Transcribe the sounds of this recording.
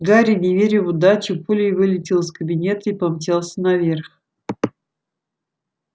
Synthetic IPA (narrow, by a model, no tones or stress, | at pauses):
ɡaɾʲɪnʲɪvʲeɾʲɪvʊd̪at͡ɕɪpulʲɪjvɨlʲɪtʲɪlˠskəbʲɪnʲe̞t̪əipɐmtʲelˠsʲənɐvʲe̞rx